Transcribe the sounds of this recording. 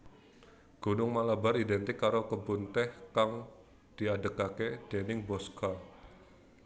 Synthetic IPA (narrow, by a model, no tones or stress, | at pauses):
ɡ̥unʊŋmalabaɾidɛnt̪ɪkːaɾokəbunt̪ɛhkaŋ | d̥iadəkaked̥ɛnɪŋbɔska